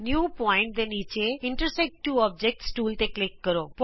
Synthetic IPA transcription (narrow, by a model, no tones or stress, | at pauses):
njuːpɔɪ̃ɳʈ̚d̪enit͡ʃeɪ̃ɳʈəɾsɛk̚ʈʈːuːɔb̚d͡ʑek̚ʈsʈuːlt̪eklɪkːəɾop